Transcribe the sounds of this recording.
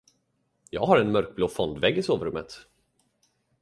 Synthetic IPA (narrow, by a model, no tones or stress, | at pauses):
jɑ̰ːɡhaɾɛnmœɾk̚bloːfɔnd̪vɛɡːɪsoːvɾɵmːət̪